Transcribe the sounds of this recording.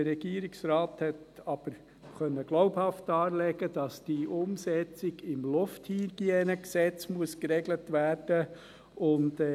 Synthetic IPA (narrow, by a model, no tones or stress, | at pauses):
əɾɛɡ̥iəɾiksɾɑːthɛtɑb̥əɾ | χœnːəɡ̥loʊphɑftːɑːlɛɡədɑsd̥iʔʊmsɛt͡sɪɡɪmlʊfthiːɾɡ̥iɛnəksɛt͡smuəskɾɛɡlətʋæːɾd̥ə | ʊnd